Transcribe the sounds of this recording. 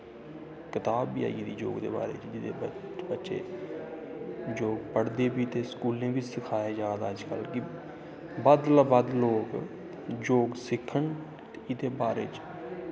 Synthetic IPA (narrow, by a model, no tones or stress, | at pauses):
kɪt̪aːbːiːa̰ːid̪iːd͡ʒo̰ːɡd̪ḛːba̰ːɾḛːt͡ʃd͡ʒɪd̪ḛːbbətːʃḛː | d͡ʒoːɡpəɽd̪eːbiːt̪eːskuːlẽːʋiːsɪkʰaːjaːd͡ʒaːd̪aːəd͡ʒkəlkɪ | bəd̪laːbəd̪loːk | d͡ʒoːɡsɪkʰːəɳ | t̪eːɪd̪eːbaːɾḛːt͡ʃ